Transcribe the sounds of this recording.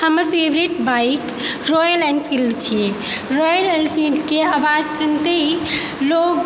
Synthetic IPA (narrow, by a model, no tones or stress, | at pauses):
həməɾpʰebɾiʈbaik | ɾojəɾlɛɳɖpʰilɖt͡ʃʰije | ɾɔjəlɛlpʰilɖkeabad͡ʒsunt̪ei | loɡ